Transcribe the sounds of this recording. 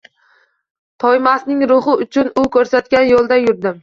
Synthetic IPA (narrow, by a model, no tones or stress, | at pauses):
t̪ʰɒjmasnɪŋɾʊhɪʊt͡ʃʰʊnʊkʲʰɵɾsat̪kʲanjolˠd̪ajʊɾd̪ɪm